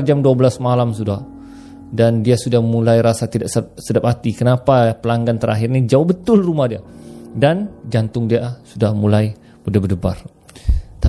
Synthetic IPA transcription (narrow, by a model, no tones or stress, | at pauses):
d͡ʒamduabəlasmalamsudah | dandiasudahmulajɾasat̪idaʔsp̚sədap̚hat̪ikənapapəlaŋɡant̪əɾʔa̰ɦɪrnid͡ʒawbət̪ʊlrumahdiadand͡ʒant̪ʊŋdiasudahmulaj | pədabədəba̰r | t̪a